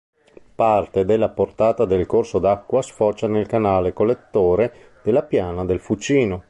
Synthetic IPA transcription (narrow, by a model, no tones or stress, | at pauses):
part̪ed̪elːaport̪aːt̪ad̪elkorsod̪akːwasfɔt͡ʃːanelkanaːlekolːet̪ːoːɾe | d̪̥elːapjaːnad̪elfut͡ʃiːno